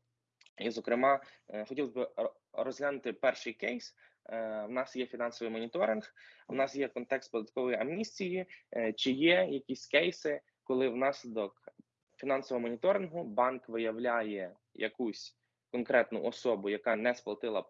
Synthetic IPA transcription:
izɔkɾɪmɑxɔtʲilˠzbɪ | ɾɔzɦlʲanʊt̪ɪpɛrʃɪjkɛjs | wnɑsjɛfʲinɑnsɔʋɨjmɔnʲit̪ɔɾɪnxnɑsjɛkɔnt̪ɛkst̪̚pɔd̪ɐt̪̚kɔʋɔjɐmnʲisʲtʲijit͡ʃɪjɛjɐkʲisʲkɛjsɪ | kɔlˠɪwnɑslʲɪd̪ɔk | fʲinɑnsɔʋɔɦɔmɔnʲit̪ɔɾɪnɦʊbɑnkʋɪjɐwlʲajɛ | jɐ̰kusʲ | kɔnkɾɛt̪nʊʔɔsɔbʊjɐkɑnɛsplˠɐt̪ɪlˠɐ

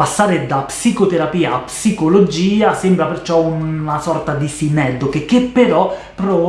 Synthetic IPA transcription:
asːaːɾed̪apsikot̪eɾapiːaːpːsikolod͡ʒiːasɛmbɾapert͡ʃɔunasɔrt̪ad̪isinɛd̪ːokek̟ːepːeɾɔ | pːɾɔ

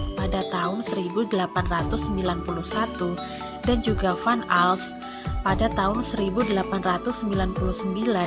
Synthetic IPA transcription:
padat̪aʊnsəɾibudəlapanrat̪ʊsːəmbilanpuluhsat̪u | dand͡ʒuɡafanals | padat̪aɦʊnsəɾibudəlapanrat̪ʊsːəmbilanpuluhsəmbila

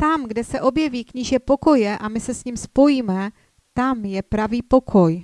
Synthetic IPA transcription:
t̪amɡdɛsɛʔo̞bjɛviːkɲiʒɛpo̞ko̞jɛʔamɪsɛsɲiːmspo̞jiːmɛ | t̪amjɛpɾaviːpo̞kʰo̞j

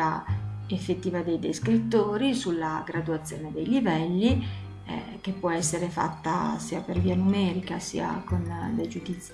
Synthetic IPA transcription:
aefːet̪ːiːvad̪ejd̪ejskɾit̪ːoːɾisulːaɡɾad̪uat̪sːjo̰ːned̪ejlivɛlːi | k̟epːwɔɛsːeɾefa̰t̪ːa̰siːaperviːanumɛːɾikasḭːa̰kond̪ed͡ʒud̪it̪s

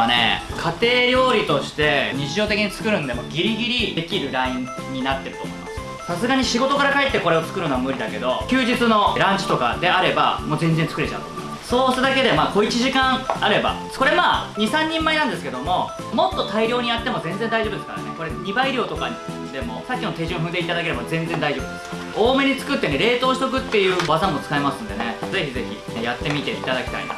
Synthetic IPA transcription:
ane̞̰kʰat̪e̞ːɾʲjo̞ːɾʲit̪o̞ɕi̥t̪e̞ɲ̟it͡ɕiʑo̞ːt̪e̞kʲiɲ̟it͡sɨ̥kɯ̟ɾɯ̟nod̪e̞moɡʲiɾʲiɡʲiɾʲie̞kʲiɾɯ̟ɾaĩ | ɲ̟ːinat̪ːe̞ɾɯt̪omoimmsɨaasasɨɡaɲ̟iɕiɡo̞t̪o̞kaɾakaet̪ːe̞ko̞ɾe̞o̞t͡sɨ̥kɯ̟ɾɯnoamɯ̟ɾʲid̪ake̞d̪o̞kʲɨːd͡ʑit͡sɨno̞ɾãɲt͡ɕi̥t̪o̞ka̰d̪e̞aɾe̞ba̰mo̞ːzẽ̞nd͡zent͡sɨ̥kɯɾe̞t͡ɕã̰t̪ | so̞ːst̪ad̪ake̞d̪e̞maːko̞it͡ɕiʑikãɰaɾe̞ba̰ | ko̞ɾe̞maːɲ̟isãɲ̟ːĩmːainãnd̪e̞sɨ̥ke̞d̪o̞mo̞ | mo̞t̪ːo̞t̪aiɾʲjo̞ːɲ̟ijat̪ːe̞mo̞zẽ̞nd͡ze̞nd̪aiʑobɯd̪esɨ̥kaɾa̰ne̞koɾe̞ɲ̟ibaiɾʲo̞ːt̪o̞kaɲ | d̪e̞mo̞sakʲːinot̪e̞ʑɨ̃ɰ̃ɦɯ̟nd̪e̞it̪ad̪ake̞ɾe̞bazẽ̞nd͡zend̪aiʑo̞ːb̟d̪e̞s | oːme̞ɲ̟it͡sɨ̥kɯ̟t̪ːe̞ne̞ɾe̞ːt̪o̞ːɕi̥t̪o̞k̬ɯ̟t̪ːe̞jɯ̟ːbazãmːo̞t͡sɨ̥kaemasɨ̃nd̪e̞ne̞ze̞çize̞çḭjat̪ːe̞mʲit̪e̞it̪ad̪akʲi̥t̪a̰ḭna̰

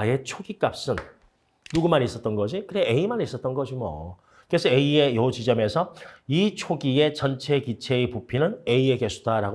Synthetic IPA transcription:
je̞t͡ɕʰoɡik͈ap̚s͈ɯnː | uɡumanis͈ʌt̚t͈ʌnɡʌd͡ʑikɯɾeeimanis͈ʌt̚t͈ʌnɡʌd͡ʑimʌ̰ | kɯɾesʰʌeiejʌt͡ɕid͡ʑʌme̞sʰʌit͡ɕʰoɡie̞t͡ɕʌnt͡ɕʰe̞kit͡ɕʰe̞ipupʰinɯne̞ieke̞sʰudaɾaɡo

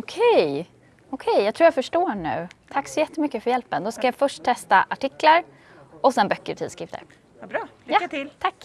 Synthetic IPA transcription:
ɔkʰɛj | ɔkʰɛjjaɡt̪ʰɾuːjafœʂʈoːɳʉ̟̰ːt̪ʰakːsɔjɛt̪ːəmʏkːəfœɾjɛlpənd̪ɔskajafœʂʈ̚t̪ʰɛst̪aʔaʈɪklaɾ | ɔsɛnbœkːəɾt̪ʰḭd̪skɾɪft̪ʰə̰ɾ | bɾɑːljat̪ɪlt̪ʰakː

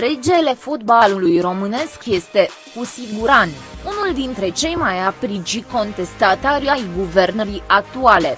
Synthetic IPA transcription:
ɾed͡ʒe̞le̞fot̪balulujro̞mɨne̞skje̞st̪e̞ | kusiɡuɾant̪unuld̪int̪ɾe̞t͡ʃe̞jmajapɾit͡ʃiko̞nt̪e̞st̪at̪aɾiajɡuvernəɾiʔak̚t̪uale̞

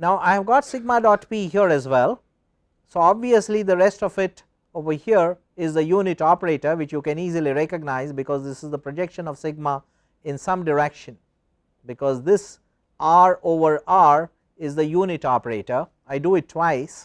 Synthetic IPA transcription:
naʊʔaɪɦɛʋɡɔːʈsɪɡ̚maɖɔːʈpiɦiəɾɛzwɛlˠ | soɔbʋiəslid̪əɾɛsʈɔfɪʈ | oːʋəhiəɾ | ɪzd̪əjuːnɪʈɔpəɾeːʈəɾʋɪt͡ʃjukɛ̃niːziliɾɛkəɡ̚naɪzbɪkɔːzd̪ɪsɪzd̪əpɾod͡ʒɛkʃə̃nɔʋsɪɡ̚ma | ɪ̃nsʌ̃mɖɪɾɛkʃə̃n | bɪkɔːzd̪ɪs | ʔaːɾoːʋəɾaːɾ | ɪzd̪əjuːnɪʈɔpəɾeːʈəɾ | aɪɖuɪʈʰːwaɪs

